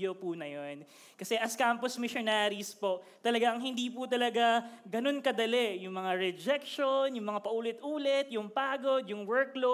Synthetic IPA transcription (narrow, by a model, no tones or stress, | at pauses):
opunɐjon | kɐsɛʔɐskamposmɪʃonaːɾispo̞t̪ɐlɐɡaʔɐŋɦɪnd̪iːput̪ɐlɐɡaɡɐno̞nkɐd̪ɐlɛjʊŋmɐŋaɹɛd͡ʒɛk̚ʃonjʊŋmɐŋapɐʔuːlɪt̪ʔuːlɛt̪jʊŋpaːɡod̪jʊŋwɛɹklo